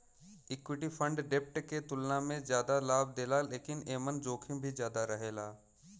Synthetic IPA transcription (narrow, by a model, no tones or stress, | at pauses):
ɪkwɪʈifʰə̃ɳɖɖeːp̚ʈket̪ʊlnamẽzjaːd̪alaːbd̪eːlaleːkɪneːmənd͡ʒoːkʰĩbʱizjaːd̪aɾəɦeːlaː